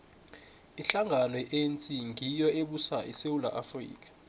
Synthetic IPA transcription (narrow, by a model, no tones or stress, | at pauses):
iɬaŋanwɛʔent͡sʼiŋʱijɔeɓusaʔisewula̰ʔafrḭːk̬ʼḁ